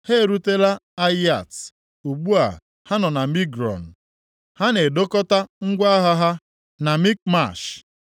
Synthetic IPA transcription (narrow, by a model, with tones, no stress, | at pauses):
he˦˨ɾu˦te˦la˦a˦ja˨t | u˨ɡ͡bu˦a̰˨ | ha˦nɔ˨na˨mi˦ɡɾɔ̰˨n̩˨ | ha˦ne˨do˦kɔ˦ta˦ŋ̩˦ɡʷa˦ɦa˦ɦa˦ | na˨mi˦k̚ma̰˦˨ʃ